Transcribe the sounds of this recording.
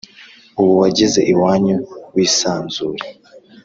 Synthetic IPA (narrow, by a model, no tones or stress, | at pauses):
uβuwaɟize̞ʔiwaːɲuwiːsaːnzuːɾe